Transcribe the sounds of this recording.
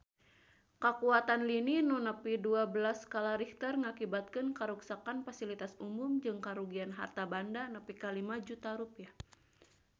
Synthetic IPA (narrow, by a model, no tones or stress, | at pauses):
kakuat̪anlininunəpiduabəlaskalaɾiht̪ərŋakibat̪̚kɨnkaɾuksakanfasilit̪asumumd͡ʒɨŋkaɾuɡianɦa̰rt̪abandanəpikalimad͡ʒut̪aɾupia